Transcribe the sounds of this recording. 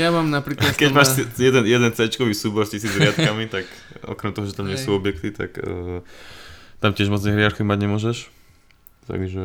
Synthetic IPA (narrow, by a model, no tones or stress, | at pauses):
jamamnapɾiːklat̪kɛɟmaːʃsjɛd̪ɛnjɛd̪ɛnt͡sɛt͡ʃkɔʋiːsuːbɔɾscisiːd͡zɾɪat̪kamit̪akɔ̰kɾɛmt̪ɔɦɔʒɛt̪amɲɪɛsuːɔbɪjɛkt̪it̪a̰kə | t̪amcɛʒmɔd͡znɛɦɾɪaɾkiimaɟɲɛmʊɔʒɛʃ | t̪a̰ɡʒɛ